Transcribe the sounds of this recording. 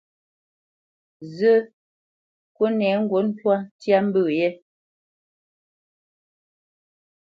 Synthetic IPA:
zə˦ | ko˦nɛ˨˦ŋ̩˦ɡwo˨˦n̩˦twa˦tja˦m̩˦bə˦˨je˦

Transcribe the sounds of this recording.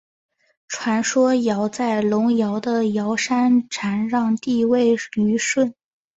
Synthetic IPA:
ʈ͡ʂʰwa˧˥nʂwɔ˥jɑ˧˥ʊt͡sa˥˩ɪlʊ˧˥ŋjɑ˧˥ʊd̪ə˧jɑ˧˥ʊʂa˥nʈ͡ʂʰa˧˥nɻɑ˥˧ŋt̪i˥˧we˥˩ɪy˧˥ʂwə˥˩n

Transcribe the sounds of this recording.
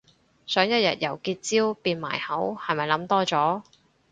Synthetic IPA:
sœː˨˥ŋjɐ˥t̚jɐ̰˨t̚jɐ˨˩wkiː˧t̚t͡siː˥wpiː˧nma̰ː˨˩jhɐ˨˥whɐ˨jmɐ˨jlɐ˨˥mt̪ɔː˥t͡sɔː˨˥

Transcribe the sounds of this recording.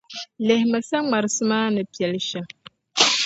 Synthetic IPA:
lɛ˨hɪ˨ma˨sa˦ŋ͡ma˨ɾɨ˨sɨ˦maː˦nɨ˨pi˨ɛ˨lʃɛ˦m

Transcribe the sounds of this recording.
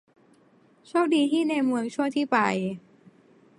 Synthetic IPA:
t͡ɕʰoː˥˩k̚diː˧t̪ʰiː˥˩na˧jmɯ˧əŋt͡ɕʰu˥˩əŋt̪ʰiː˥˩pa̰˧j

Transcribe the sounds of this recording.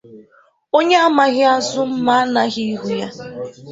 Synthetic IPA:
o˦ɲe˦a˦ma˨ɣɪ˦a˦zʊ˦m̩˦ma˦a˦na˦ɣi˦ɦu˦ja˦

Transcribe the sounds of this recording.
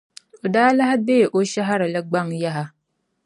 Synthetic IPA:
o˨daː˦la˦ha˦beː˦˨ʔo˦ʃa˦ɦa˦ɾɨ˨la˦ɡ͡ba˦ŋja˦ɦa˨

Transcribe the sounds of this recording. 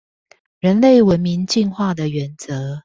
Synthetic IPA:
ɻə˧˥nle˥˩ɪwə˦nmi˧˥ŋt͡ɕi˥˧nxwa˥˩d̪ə˨ɥɛ˨˧˥nt͡sɤ˧˦

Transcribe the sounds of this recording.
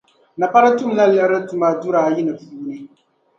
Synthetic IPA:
na˨pa˦ɾɨ˦tu˦m˦na˦lɛ˦ʔɪ˦ɾɨ˦tu˨ma˨du˦ɾaː˨ji˦nɨ˨pu˨uː˦nɨ˦

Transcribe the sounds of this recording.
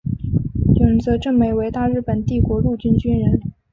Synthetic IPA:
ʊ˨˩ŋt͡sɤ˧˥ʈ͡ʂɤ˥˩ŋme˧˥ɪwe˧˥ɪt̪a˥˧ɻ̩˥˩pə˨˩nt̪i˥˩kwɔ˧˥ɻu˥˧t͡ɕy˥nt͡ɕy˥nɻə˧˥n

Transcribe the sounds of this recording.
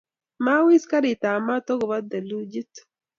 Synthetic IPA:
ma˦wi˦ska˦ɾi˨t̪a˨ma˦t̪o˦ɡo˨βa˦d̪ɛ˨lu˦d͡ʒi˦t̪

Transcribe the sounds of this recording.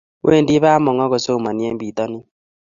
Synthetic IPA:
wʔḛ˦˨ndi˦βa˦mɔ˨ŋɔ˦ɣɔ˨so˦˨ma˨ni˦ɛ˦mbi˨tɔ˦nɪ˦

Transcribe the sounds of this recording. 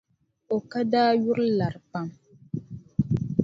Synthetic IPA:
o˨ka˦daː˦ɥu˦ɾla˨ɾpa˦m

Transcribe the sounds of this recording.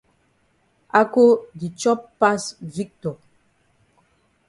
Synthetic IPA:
a˦ko˦di˨t͡ʃɔ˦pːa˦svi˦k̚tɔ˨

